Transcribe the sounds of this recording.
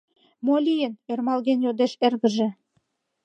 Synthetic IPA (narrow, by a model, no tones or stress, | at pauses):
molʲijə̆nermɑlɣenjod̪eʃerɣə̆ʒĕ